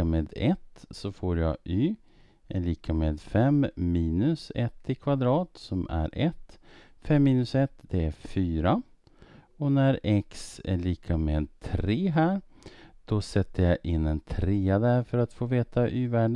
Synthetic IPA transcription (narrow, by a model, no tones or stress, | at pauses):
ameːd̪ɛt̪sɔfoːɾjɑ̰yː | ɛliːkʰameːd̪fɛmmiːnɵsɛt̪ʰːɪkʰvad̪ɾɑːt̪sɔmæ̰ɾʔɛt̪ː | fɛmːiːnɵsɛt̪ːd̪ɛæɾfyːɾa | ɔnæɾɛksæ̰ɭiːkʰameːd̪̚t̪ʰɾeːɦæːɾd̪̥ɔsɛt̪ːəjaʔɪnːɛnt̪ʰɾeːad̪æɾfœɾat̪foːveːt̪aʔyːvæːɖ